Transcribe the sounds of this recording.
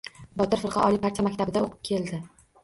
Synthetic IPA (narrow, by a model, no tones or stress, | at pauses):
bɒt̪ɪɾfɨɾqʰɑ̰ʔɒlimʰaɾ̚ʲt͡ʃʰamakʲt̪ʰabɪd̪aoqʰɨ̥p̚kʲʰe̞ld̪ɪ